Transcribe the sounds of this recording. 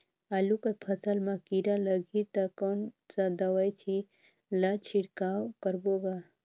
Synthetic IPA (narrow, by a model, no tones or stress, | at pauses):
alukəpʰəsəlmakiɾaləɡit̪akɔn | sad̪əwajt͡ʃʰi | lat͡ʃʰiɽkawkəɾboɡa